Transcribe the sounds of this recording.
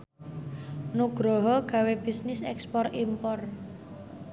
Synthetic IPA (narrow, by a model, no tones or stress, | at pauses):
nuɡ̥ɾɔɦɔɡ̥ä̤web̥isnɪsɛ̰kspɔrimpɔr